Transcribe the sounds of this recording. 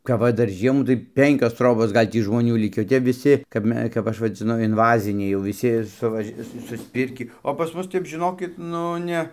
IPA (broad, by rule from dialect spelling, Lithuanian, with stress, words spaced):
kɐp ˈʋɐ ˈdɐr ˈʒʲiɛmuː tɐɪ ˈpʲɛŋʲkʲoːs ˈtroːboːs ˈɡɐlʲ tʲiː ʒmoːˈnʲuː ˈlʲɪkʲiː oː ˈtʲɛp ʋʲɪˈsʲɪ kɐp ˈmʲɛ kɐp ˈɐʃ ʋɐd͡zʲɪˈnʊ ɪnˈʋɑːzʲɪnʲɛɪ jɛʊ ʋʲɪˈsʲɪ sʊˈʋɐʃʲ ˈsʊ sʊsʲˈpʲɪrʲkʲiː oː pɐs ˈmʊs ˈtʲɛp ʒʲɪˈnoːkʲɪt ˈnʊ nʲɛ